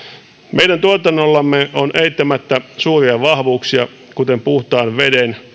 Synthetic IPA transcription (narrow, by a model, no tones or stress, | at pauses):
mʔeidænt̪uot̪ɑnːolːɑmːeonʔeit̪ːæmæt̪ːæsuːriɑʋɑhʋuːksiɑ | kut̪empuht̪ɑːnʋeden